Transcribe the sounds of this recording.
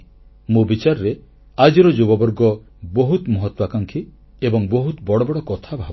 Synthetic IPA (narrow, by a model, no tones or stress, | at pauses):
mubit͡ʃaɾɾe | ad͡ʒiɾɔd͡ʒubɔbɔɾɡɔ | bɔɦut̪mɔɦɔt̪wakaŋkʰi | ebɔŋboɦut̪bɔɽɔbɔɽɔkɔt̪ʰabʱab